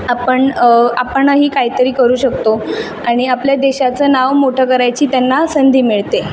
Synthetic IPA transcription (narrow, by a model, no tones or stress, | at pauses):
apəɳapəɳəɦiːkaɦiːt̪əɾiːkəɾuːɕəkt̪o | aɽ̃iapljad̪eɕat͡səːnaʋmoʈʰəkəɾajt͡ɕiːt̪janːasənd̪ʱiːmiɭt̪e